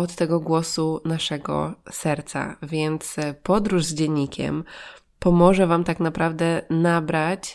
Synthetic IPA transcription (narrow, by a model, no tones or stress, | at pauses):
ɔt̪ːɛɡɔɡwɔsunaʂɛɡɔ̰sɛɾt̪sa̰vʲjɛnt̪spɔd̪ɾuʐzd͡ʑɛɲʲːikʲʰɛ̰m | pɔmɔʐɛvamt̪aknapɾavd̪ɛnabɾat͡ɕ